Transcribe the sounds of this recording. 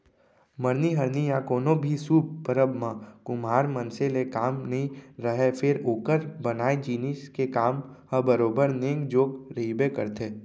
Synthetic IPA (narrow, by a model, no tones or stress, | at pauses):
məɾniɦəɾnijakoːnõbʱisuːbpəɾəbmãkʊmɦaːɾmənselekaːmnɐɦĩɾəɦefʰɪɾoːkəɾbənaːed͡ʒiːnɪʃkekaːm | həbəɾoːbəɾnẽːŋɡd͡ʒoːɡɾebekəɾt̪ʰeː